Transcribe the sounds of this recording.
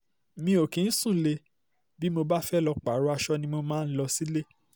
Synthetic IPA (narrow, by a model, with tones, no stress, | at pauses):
mĩ˧o˨kĩ˨n̩˦sũ˦˨le˧ | bi˦mo˧ba˦fɛ˦lɔ˧k͡pa˨˦ɾo˨˦a˧ʃɔ˦nĩ˧mo˧mãː˦n̩˦lɔ˧si˦le˦